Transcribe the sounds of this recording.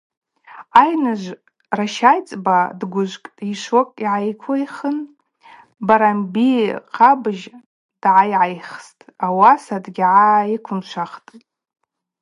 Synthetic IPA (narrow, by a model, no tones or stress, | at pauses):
ajnɨʒʷ | raʃajt͡sʼbadɡʷʊʒʷkʼiʃwokʼiʕajkʷʰojχən | baɾambiqʰabɨʒ | d̥ʕajʕajχstʼawasadɡʲʕaikʷʰʊnt͡ʃʷʰaχtʼ